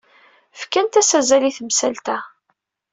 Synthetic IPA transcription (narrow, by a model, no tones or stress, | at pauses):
fkænt̪æsæzæliθəmsælt̪æ